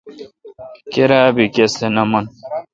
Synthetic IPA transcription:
keɾaːbikesenɐmɐn

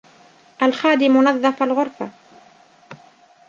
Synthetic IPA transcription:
ʔalxaːd̪ɪmʊnɑðˤːɑfalɣʊɾfa

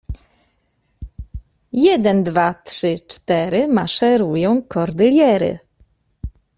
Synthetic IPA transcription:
jɛd̪ɛnd̪vat̪ʂɘt͡ʂt̪ɛɾɘmaʂɛɾujɔ̃w̃kɔɾd̪ɘlʲjɛɾɘ̰

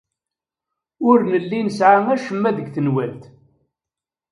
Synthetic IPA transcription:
ʊɾnəlːinəsʕaŋæʃəmːæðəɡθənwælt̪

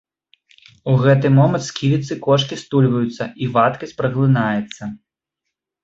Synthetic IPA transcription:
uɣɛt̪ɨmɔmɐnt̪skʲivʲit̪sɨkɔʂkʲist̪ulʲvɐjut̪sːɐʔivat̪kɐsʲt͡sʲpɾɐɣlˠɨnajɛt̪sːɐ

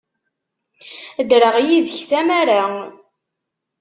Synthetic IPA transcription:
əd̪ɾəʁjiðəçθæmaɾa

